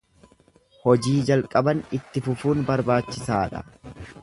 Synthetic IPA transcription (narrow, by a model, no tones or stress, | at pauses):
hɔd͡ʒiːd͡ʒɐlkʼɐbɐnɪt̪ːɪfʊfuːnbɐɾbaːt͡ʃːɪsaːᶑɐ̰